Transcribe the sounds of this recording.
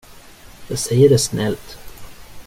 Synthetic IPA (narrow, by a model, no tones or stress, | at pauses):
d̪̥ɛsɛɪəɖesnɛlt̪